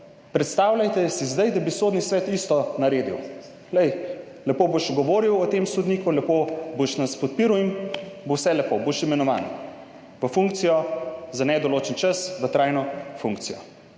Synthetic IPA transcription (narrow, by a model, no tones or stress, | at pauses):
pɾɛt̪st̪aːwlʲajt̪ɛsizd̪ajd̪abisoːd̪nisʋɛːt̪ist̪ɔnɐɾeːd̪ḭw | lɛj | lɛpoboʃɡɔʋoːɾiwɔt̪emsɔd̪niːkulɛpoboʃnɐspɔt̪̚piːɾuwimbowsɛlɛpoboʃimɛnɔʋa̰ːn | ʋəfuŋk̚t̪sijɔzanɛd̪ɔloːt͡ʃənt͡ʃasʋət̪ɾajnɔfuŋkt̪sijɔ